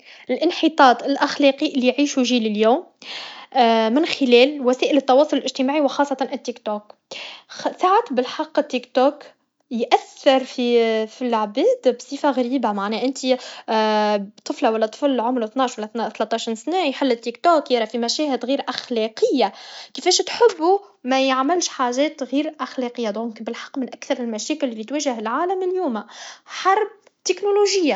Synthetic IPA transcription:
ɪlʔɪnħit̪ˤɑːt̪ˤɪlʔaxlɑːqiʔɪlːijʕiːʃujʒiːlɪljuːm | mɪnxɪlɛːlwæsæːʔɪlət̪ːɑwɑːsˤʊlɪlʔɪʒt̪imaːʕiwɪxɑːsˤːɑt̪ˤɑnʔɪt̪ːikt̪oːk | saʕat̪bɪlħɑqːɪt̪ːikt̪oːk | jʔæθːɑɾˤfifilʕbæːd̪bsˤiːfaɣaɾiːbamaʕnɛːʔɪnt̪i | bt̪ˤɨflawælːæt̪ˤə̥flʕʊmɾθnɑːʃwælːænt̪lɑt̪ˤːɑʃinsnɛːjħɪlːɪt̪ːikt̪oːkjɑɾˤɑfimæʃɛːhɪd̪ɣiːɾʔaxlɛːqɪjːakifɛːʃt̪ħɪbːumæjəʕmɪlʃħaʒɛːt̪ɣiːɾʔaxlæqɪjːad̪ɔ̃ːŋkbɪlħɑ̥qːmɪnʔækθɑɾˤɪlmæʃɛːkɪlfit̪wæːʒəɦɪlʕaːlæmɪljuːmaħɑɾˤb̚ | t̪ɪknoloʒɪjːa

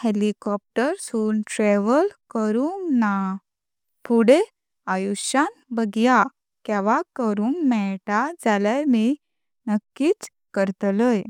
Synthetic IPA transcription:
helikɔp̚ʈəɾsuːnʈɾeʋəlkəɾuŋɡna | pʰuɽe | ajuɕan | bəɡja | kɛʋakəɾuːŋɡmɛɭʈad͡zalami | nəkːiːt͡s | kəɾt̪ləj

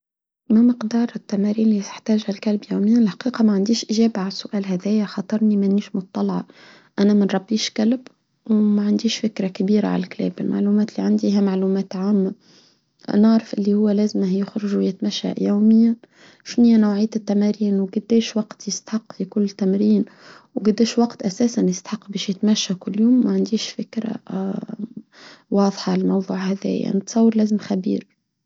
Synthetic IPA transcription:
mæməqd̪ɑːɾˤɪt̪ːæmæɾiːnliɪħt̪æːʒhælkælbjawmɪjːanlħḁqiːqɑmæʕand̪iːʃʔɪʒæːbʕalsːʊʔæːlɦæðɛːjaxɑt̪ˤɑɾˤnimæʔnːiːʃmʊt̪̚t̪ˤːɑlɑʕɑ | ʔænæmənɾˤɑbːiːʃkælb | wmæʕand̪iːʃfɪkɾakabiːɾa̰ʕa̰lklɛ̰ːbɪlma̰ʕlumæːt̪lːiʕand̪iɦæmaʕlumæːt̪ʕaːmːa | nəʕɾɪfʔɪlːihʊwːælæːzmhjɪxɾʊʒujɪt̪mæʃːa̰jaːmɪjːan | ʃnɪjːanawʕijːt̪ɪt̪ːæmæɾiːnwɡʊd̪ːeːʃwɑqt̪jɪst̪ḁħɑqːfikʊlːt̪ːæmɾiːn | wɡʊd̪ːeːʃwɑqt̪ʔæsæːsanjɪst̪ḁħɑqːbɛːʃjɪt̪mæʃːakʊlːjuːmːæʕand̪iːʃfɪkɾa̰ | wɑːðˤħɑlɪlmɑwðˤuːʕhæðɛ̰ːja̰nɪt̪sˤɑwːɑɾlæːzɪmxæbḭːɾ

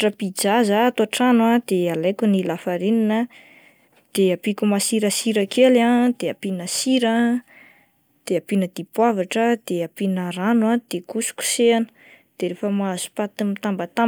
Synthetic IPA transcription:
ʈ͡ʂəpid͡zazaːt̪aʈ͡ʂanwad̪̥ealajkʲunilafaɾininə | d̪̥eapikumasiɾəsiɾəkelãd̪̥eapinəsiɾə | d̪̥eapinəd̪ipwavaʈ͡ʂəd̪̥eapinəranwad̪̥ekusu̥kʲu̥seanə̥ | d̪̥eɾefəmazu̥pat̪imit̪ambət̪a

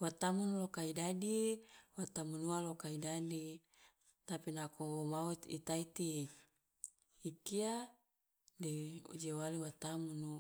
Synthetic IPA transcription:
wat̪amunlokaidadiwat̪amunualokaidadi | t̪apinakowomaut̪ḭt̪ait̪i | ikia | deṵd͡ʒewaliwat̪amunu

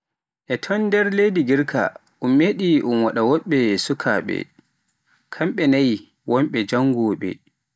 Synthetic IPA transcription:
ʔɛtʰɔndɛɾlediɡiɾkʰa̰ | ʔumːeɗiʔumwaɗawɔɓːɛsukʰaɓɛ̰ | kʰamɓɛnaj | wɔmɓɛd͡ʒaŋɡɔːɓɛ̰

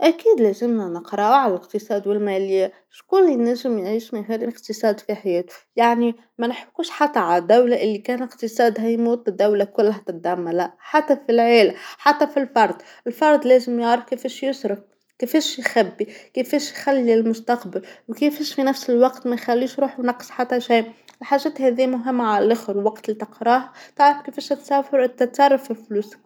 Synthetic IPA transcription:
ʔækiːd̪lɛːzɪmnænəqɾˤɑʕallɪqt̪əsˤɑːd̪wɪlmæːlɪjæ | ʃkʊlːinæʒɪmjʕiʃmihæləqt̪əsˤɑːd̪fiħajɛːt̪jaʕni | mænħkːuːʃħat̪ːaʕalæd̪ːawlaʔɪlːikæːnɪqt̪əsˤɑːd̪ɦæjmuːt̪ˤɪd̪ːawlakʊlːɦæt̪ɪt̪̚d̪amːalaħat̪ːæfilʕeːlaħat̪ːæfilfɑɾˤd̪ˤ | ɪlfɑɾˤd̪ˤlɛːzɪmjɑʕɾɑfkefɛːʃjʊsɾɑf̚ | kefɛːʃjxæbːikɪfɛːʃjxalːilmʊst̪ɑqbɪlwkefɛːʃfinæfsɪlwɑqt̪mænxælːiːʃɾuːħnɑqːsˤħat̪ːæʃijʔɪlħaːʒɛːt̪hɛðijːmʊɦɪmːaʕalælʔʊxɾwɑqt̪lit̪ɪqɾˤɑːɦat̪ɪʕɾɑfkefɛːʃhæt̪sæːfɪɾʔɪnt̪æt̪ːɑɾˤːɑfɪlfluːs

